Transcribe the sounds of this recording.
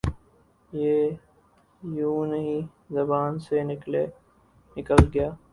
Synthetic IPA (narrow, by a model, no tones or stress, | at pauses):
jeː | jũːnɐɦĩ | zɐbaːnsenɪkle | nɪkəlɡɐjaː